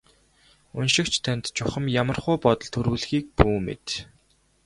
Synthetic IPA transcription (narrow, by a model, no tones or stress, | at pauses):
unʃɪ̆kt͡ɕʰt̪ʰœnʲt̪t͡ɕʰʊχə̆mjamə̆rχʊːpɔt̪ɞ̆ɮt̪ʰɵɾuːɮxiːk̚puːmḛt̪